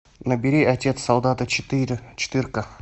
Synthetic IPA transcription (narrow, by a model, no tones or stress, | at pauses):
nəbʲɪɾʲiɐtʲe̞t̪sɐlˠd̪ɑt̪ət̪ɾʲt͡ʃʰɪ̥t̪ɨrkə